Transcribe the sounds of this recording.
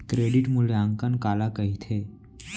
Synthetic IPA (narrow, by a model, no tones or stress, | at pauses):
kɾeɽiʈmuɭeəŋkənkalakəɦit̪ʰe